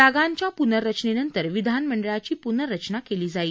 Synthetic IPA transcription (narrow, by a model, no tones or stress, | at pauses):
aɡaɲt͡ɕjapunəɾət͡ɕnenənt̪əɾʋid̪ʱanməɳɖəɭat͡ɕiːpunəɾət͡ɕnakeliːd͡zaiː